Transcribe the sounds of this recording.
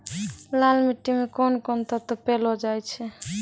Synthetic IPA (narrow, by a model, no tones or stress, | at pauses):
lalmiʈːimekɔnkɔnt̪ɔt̪ɔpelɔd͡ʒajt͡ʃʰɛ